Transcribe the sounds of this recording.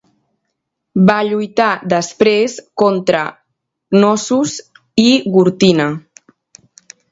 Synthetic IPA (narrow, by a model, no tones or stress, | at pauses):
baʎujt̪aðəspɾeskɔnt̪ɾə | nɔsus | iɣuɾt̪inə